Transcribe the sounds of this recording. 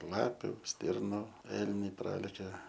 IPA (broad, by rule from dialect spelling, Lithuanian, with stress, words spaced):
ˈlˠɑːpʲʊ ˈsʲtʲɪrnʊ ˈɛlʲnʲɛɪ ˈprɑːlʲɛkʲɛ